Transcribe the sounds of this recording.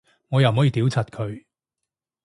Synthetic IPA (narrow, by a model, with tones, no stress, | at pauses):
ŋɔː˨˧jɐ˨wm̩˨ɔː˨˥jiː˧t̪iː˨˥wt͡sʰɐ˨t̚kʰɵ˨˧ɥ